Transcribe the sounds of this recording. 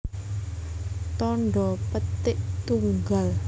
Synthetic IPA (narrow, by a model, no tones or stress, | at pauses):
t̪ɔɳɖɔpət̪ɪʔt̪uŋɡal